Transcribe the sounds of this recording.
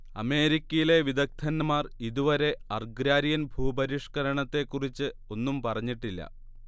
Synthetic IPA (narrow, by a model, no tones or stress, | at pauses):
ɐ̰me̞ːɾikʲːɐjile̞ʋid̪ɐk̚t̪ʰɐnmaːriðuʋɐɾe̞ɐrɡɾaːɾijɐnbʱuːbɐɾiʂkɐɾɐɳɐt̪ːe̞kːurit͡ɕːɨo̞nːumpɐrɐɲːiʈːilːɐ̰